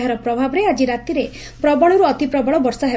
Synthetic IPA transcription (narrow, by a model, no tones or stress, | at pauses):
ɦaɾɔk̚pɾɔbʱabɔɾead͡ʒiɾat̪iɾe | pɾɔbɔɭɔɾuɔt̪ipɾɔbɔɭɔbɔɾsaɦe